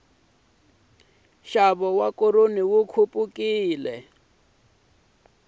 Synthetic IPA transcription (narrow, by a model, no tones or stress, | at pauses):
ʃaβɔwakoɾoniwukʰupʼukiːlɛ̰